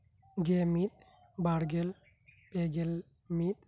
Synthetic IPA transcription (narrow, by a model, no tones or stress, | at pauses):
ɡemit̪̚baɽɡel | peɡelmit̪